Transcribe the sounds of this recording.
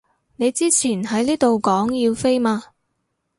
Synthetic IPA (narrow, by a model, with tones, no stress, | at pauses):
ne˨˧jt͡siː˥t͡sʰiː˨˩nhɐ˨˥jliː˥t̪o˨wkɔː˨˥ŋjiː˧wfe˥jmaː˧